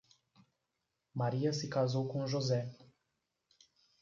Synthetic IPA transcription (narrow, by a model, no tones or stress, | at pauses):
maɾijasikazowkuunʒoze